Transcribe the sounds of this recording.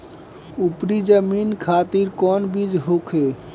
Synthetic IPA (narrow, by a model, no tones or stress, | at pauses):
upɾid͡ʒəminkʰat̪iɾkɔnbid͡ʒɦokʰe